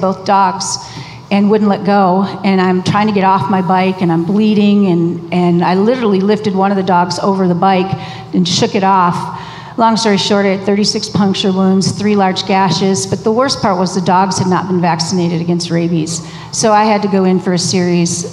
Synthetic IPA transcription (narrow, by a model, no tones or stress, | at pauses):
boʊθd̥ɔɡz̥ | ɨ̃nwʊdⁿn̩ʔˡlɛt̚ɡ̥oʊɨ̃ñãɪ̃mtʰɹ̥aɪɪ̃ŋtʰɨɡɛɾɔfmaɪbaɪkɨ̃ñãɪ̃mbliɾɪ̃ŋɨ̃nɨ̃naɪlɪɾə˞l̩ˠilɪftɨd̚wʌ̃ñʌvðɨdɔɡzo̰ʊvə˞ðəbaɪk | ɨ̃nʃʊkɨɾɔf | lɔ̃ŋsɔɹiʃɔɹɾə˞d̪̚θɜ˞ɾisɪkspʰʌ̃ŋkʃə˞wũnz̥θɹilɑɹd͡ʒɡæʃɪz̥b̥ʌt̪̚ðəwɜ˞spʰɑɹʔ̚wʌzðədɔɡz̥hɨdⁿnə̰t̚b̥̃n̩væksɨneɪɾɨɾɨɡɛ̃nst̚ɹeɪbiz̥ | soʊaɪɨd̚tɨɡoʊɪ̃nfə˞ɨsɪɹiz̥